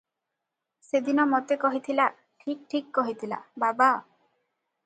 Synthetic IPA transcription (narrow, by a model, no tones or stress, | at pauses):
sed̪inɔmot̪ekɔɦit̪ʰila | ʈʰik̚ʈʰikːɔɦit̪ʰila̰baba